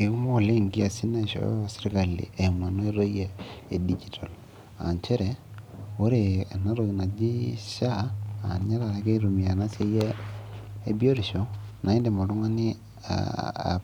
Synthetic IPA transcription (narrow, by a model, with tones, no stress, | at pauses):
i˨ku˦mo˦˨le˦ŋɡi˦a˨si˦na˦˨ʃo̰˨˦a˨si˦ɾi˦ka˨lḭ˨ʔe˨mwa˨no˦i˦ɾo˦je˦e˨di˦d͡ʒi˨tʰo˨l | a̰˨ɲt͡ʃe˦ɾe˨o˦ɾe˨na˦ɾo˨ɣi˨na˨d͡ʒi˦ʃa˦a̰˨ɲa˦ɾa˨ɾa˦ke˦ɾu˨mia˨na˦se˦jeː˦ | bjo˦ɾiʃo˦na˨i˦nde˨mo˨ɾu˦ŋa˦ni˦ | a̰a̰